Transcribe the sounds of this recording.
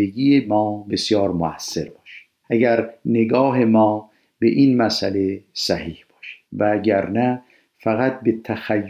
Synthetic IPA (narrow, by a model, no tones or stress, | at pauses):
eɡijemɒːbe̞sjɒːɾmoæsːe̞ɾbɒːʃæ̥ | ʔæɡæɾneɡɒːɦe̞mɒː | bḛʔiːnmæsæ̰lesæhiːhb̥ɒːʃe̥d̪̥vææɟæɾnæ | fæɣæt̪̚bet̪ʰæxæjː